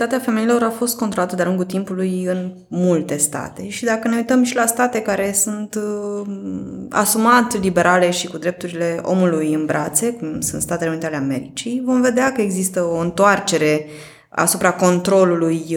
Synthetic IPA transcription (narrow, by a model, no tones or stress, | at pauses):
t̪at̪eafe̞me̞ilo̞ɾafo̞st̪̚konɾo̞lat̪əd̪ealuŋɡult̪impulujɨn | mult̪e̞st̪a̰t̪e̞ʃid̪akəne̞ujt̪əmʃilast̪at̪e̞kaɾe̞sunt̪ | a̰sumat̪libe̞ɾʔale̞ʃikud̪ɾe̞p̚t̪uɾile̞o̞̰mulujɨnbɾʔat̪se̞kumsunt̪st̪at̪eeunit̪ealeame̞̰ɾit͡ʃijvo̞mve̞d̪eakəeɡzist̪əo̞ɨnt̪oart͡ʃe̞ɾe̞ | a̰supɾako̞nt̪ɾo̞luluj